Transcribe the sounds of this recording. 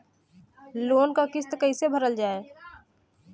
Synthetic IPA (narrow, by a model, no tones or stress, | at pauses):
loːnkakɪst̪kəisebʱəɾəld͡ʒaːeː